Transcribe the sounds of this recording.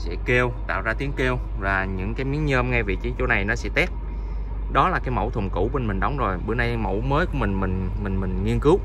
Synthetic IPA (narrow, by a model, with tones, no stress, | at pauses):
sɛ̰˧˥ke˧wt̪a̰ː˧˨wzaː˧t̪i˨˦əŋke˧əw | vaː˨˩ɲɨ̰˧˥ŋkaː˨˦jmi˨˦əŋɲəː˧mŋa˧jvi˨˩t͡ɕi˨˦t͡ɕo˨˦na˨˩jnɔ˨˦sɛ̰˧˥t̪ɛ˦˥p̚ | ɗɔ˨˦laː˨˩kaː˨˦jmo̰˧˩wt̪ʰʊ˨˩ŋ͡mkṵ˧˩ɓe˧nmï˨˩ŋ̟ɗə˨˦wŋ͡mzo˨˩jɓɨ̰˧˩na˧jmo̰˧˥wməː˨˦jku˧˩əmï˨˩ŋ̟mï˨˩ŋ̟mï˨˩ŋ̟mï˨˩ŋ̟ŋi˧ənkɨ˨˦w